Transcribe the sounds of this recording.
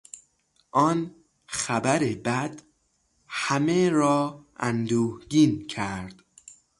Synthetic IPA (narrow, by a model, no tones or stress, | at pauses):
ʔɒːn | xæbæɾebæd̪̥ | hæmeɾɒːænd̪uːhɟiːncʰæɾd̪̥